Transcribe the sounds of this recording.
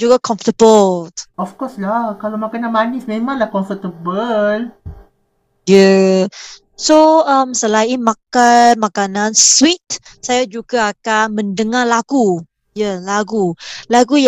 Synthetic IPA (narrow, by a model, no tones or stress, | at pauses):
d͡ʒuɡakʰɔ̃ɱftəbəlɔfkɔslakalamakananmanismemãŋlahkɔɱfət̪əbəl | jə | soəmsəlaimakamakanãnswit̪̚ | sajad͡ʒuɡaːkanmə̃ndəŋalaɡu | jalaɡulaɡuj